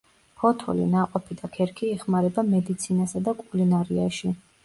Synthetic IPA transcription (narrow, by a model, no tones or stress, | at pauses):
pʰɔt̪ʰɔ̰lḭnaqʼɔpʰid̪akʰɛɾkʰiːχmaɾɛbamɛd̪it̪sʰinasad̪akʼulinaɾiaʃi